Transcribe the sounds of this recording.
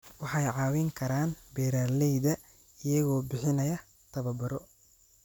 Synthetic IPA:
wɑħɑjʕɑːwɪŋkʰɐɾaːnbɛːɾaːlɛjðɐ | ɪjɐɣɔːbɪħɪnɐjɐ | t̪ʰɐβɐbɐɾɔ

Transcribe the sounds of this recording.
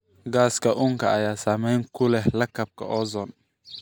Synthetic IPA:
ɡaːskʰɐʔʊŋkʰɐʔɐjaːsaːmɛjŋkʰʊlɛɦlɐkʰɐb̚kʰɐ̰ʔɔːzɔn

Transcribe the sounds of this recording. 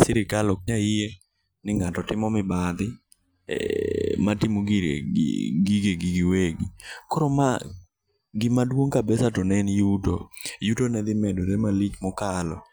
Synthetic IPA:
sɪɾɪkalɔk̚ɲaɪje | nɪŋatɔtɪmɔmɪbad̪ɪ | ɛ̰matimuɡiɾḛɡiɡeɡiɡɪweɡikoɾoma | ɡɪmadwoŋkabɛsatonɛnjuto̰jutonɛd̪ɪmɛdoɾemalit͡ʃmɔkalɔ̰

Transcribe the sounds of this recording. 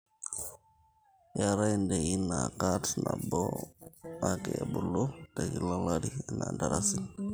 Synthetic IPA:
jaɾaindeinakatnʔabɔ | akebulotakilalaɾinandaɾʔasi

